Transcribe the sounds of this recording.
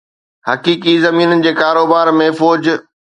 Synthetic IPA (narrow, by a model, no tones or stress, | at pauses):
hɐkiːkizɐmiːnənɪ̆d͡ʑeːkaːɾoːbaːɾmẽfɔoːd͡ʑ